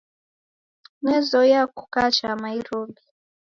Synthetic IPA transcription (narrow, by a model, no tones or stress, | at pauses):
mwɛzɔjaku̥kat͡ʃamaiɾɔbi